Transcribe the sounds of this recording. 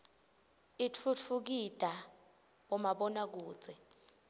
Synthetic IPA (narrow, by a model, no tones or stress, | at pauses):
it͡fʰut͡fʰuk̬id̥ʱa | ɓɔmaɓɔnak̬u̥ːd͡zʱɛ